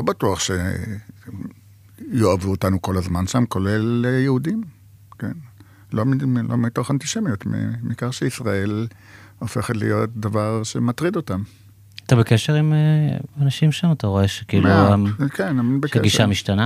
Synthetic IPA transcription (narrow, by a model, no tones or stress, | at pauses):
lobatuaχʃḛ | joavuotanuko̞lazmanʃamko̞lelejeudim | ken | lomilʔo̰mito̞χantiʃemijotmḭmiikaʁʃeisʁae̞l | ofe̞χetlḭjo̞t̚davaʁʃemat̪ʁido̞tam | at̪abekeʃeʁimeanaʃimʃamataʁo̞e̞ʃekiːluamkenaminbeʃaeɡiʃamiʃtana